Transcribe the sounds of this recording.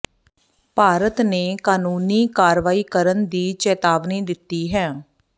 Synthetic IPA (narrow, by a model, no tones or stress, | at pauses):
paːɾət̪neːkaːnuːniːkaːɾʋaːiːkəɾənd̪iːt͡ʃɛːt̪aːʋniːd̪ɪt̪ːiːɦɛ̃ː